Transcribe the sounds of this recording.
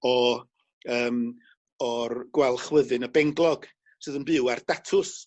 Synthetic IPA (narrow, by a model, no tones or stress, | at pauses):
ɔ | əːm | ɔrɡwɛlˠχwəðɨnəbɛŋɡlˠɔɡ̥ | sɨːðənbɨward̥atʰʊs